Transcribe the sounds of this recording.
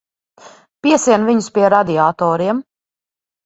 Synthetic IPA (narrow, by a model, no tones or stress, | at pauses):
piɛsiɛnviɲʊspiɛɾad̪iaːt̪ɔːɾiɛm